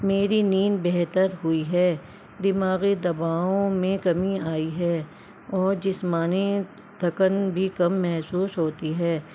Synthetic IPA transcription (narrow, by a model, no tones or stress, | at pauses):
meːɾiniːnbɛɦt̪əɾɦʊiɦɛː | d̪ɪmaːɣed̪ɐbaːõmẽkɐmiaːiɦɛː | ɔːɾd͡ʒɪsmaːne | d̪ʰʱɐkənbʱikɐmːɛɦsuːsɦoːt̪iɦɛː